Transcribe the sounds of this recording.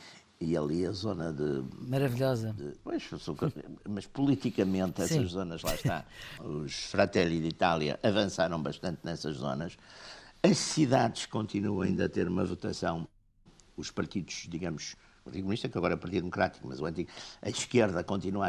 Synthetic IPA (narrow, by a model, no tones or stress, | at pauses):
iɐlˠiɐzonɐðɨmɐɾɐviʎɔzɐd̪ɨpojʃsokmɐʃpulˠit̪ikɐmẽnt̪ɛsɐʒzonɐʒlˠa̰ʃt̪a̰uʃfɾɐt̪ɛlˠiʒðit̪alˠjɐ̰ʔɐvɐ̃saɾɐ̃w̃bɐʃt̪ɐ̃nt̪nɛsɐʒzo̰nɐʃ | ɐʃsiðaðʃkõnt̪inuɐ̃w̃ɐ̰ĩnd̪ɐt̪eɾumɐ̰vut̪ɐsɐ̃w̃ | uʃpɐɾt̪iðuʒ̥ðiɣɐmuʃ | pɐɾt̪iðkumniʃt̪ɐkeɐɣɔɾɐɛupɐɾt̪iðmukɾat̪i̥kumɐzuɐ̃nt̪iɣɐʃkeɾðɐkõnt̪inua